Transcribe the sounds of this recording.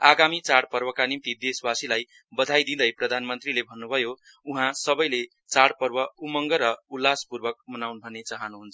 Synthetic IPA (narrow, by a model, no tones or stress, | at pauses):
aɡamit͡saɽpʌrbʌkanimt̪id̪eswasilaj | bʌd̪ʱajd̪ĩd̪ʌjprʌd̪ʱanmʌnt̪rilebʱʌnːubʱʌjo | uɦãsʌbʌjle | t͡saɽpʌrbʌumʌŋɡʌɾʌulːaspurbʌk̚mʌnawnbʱʌnet͡saɦʌnuɦunt͡sʰ